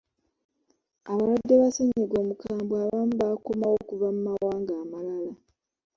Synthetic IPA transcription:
aβalwadːeβaseɲeɡo̞ːmukaːmbwaβamuβakomawo̞kuvamumawaːŋɡaːmalala

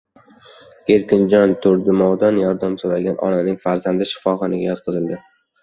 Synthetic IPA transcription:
eɾkʲɪnd͡ʒɒnt̪ʰʊɾd̪ɪmɒwd̪anjɒɾd̪amsoɾaɡʲanʔɒ̰nanɪŋfaɾzand̪ɪʃɪ̥fɒχɒnɪɡʲajɒt̪̚qʰɨzɪld̪ɪ

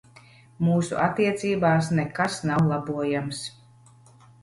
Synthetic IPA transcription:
muːsṵʔat̪ːiɛt̪siːbaːsnekasnawlˠabuɔjams

